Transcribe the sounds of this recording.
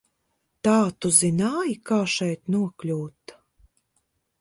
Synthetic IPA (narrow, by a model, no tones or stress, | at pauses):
t̪aːt̪uzinaːjikaːʃɛjt̪nuɔklʲuːt̪